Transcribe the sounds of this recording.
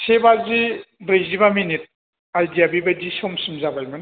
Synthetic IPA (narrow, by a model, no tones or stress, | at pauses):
sebazibɾejzibaminit̚ | ajdiabibadisɔmsɯmzabajman